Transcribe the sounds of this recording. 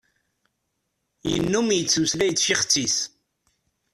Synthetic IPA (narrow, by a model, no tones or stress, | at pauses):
jə̰nːumjət͡sːuslæjət͡sːʃiχt͡sːis